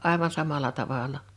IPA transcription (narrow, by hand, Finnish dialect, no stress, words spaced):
ɑˑi̞ʋɑn sɑmɑlɑ tɑʋɑˑlɑ